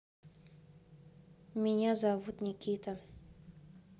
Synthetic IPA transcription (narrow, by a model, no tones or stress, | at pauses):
mʲɪnʲazavut̪nʲikʲʰit̪ʰə